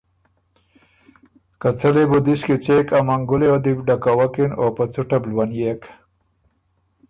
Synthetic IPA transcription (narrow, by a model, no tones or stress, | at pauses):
kat͡salebud̪iskit͡sekamaŋɡʊleod̪ipɖakawakinopat͡suʈablwanjek